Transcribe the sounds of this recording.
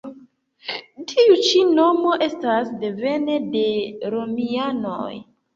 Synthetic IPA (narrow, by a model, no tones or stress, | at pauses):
tʰiut͡ʃino̞mo̞ʔe̞stasde̞ve̞ne̞de̞ɾo̞miano̰j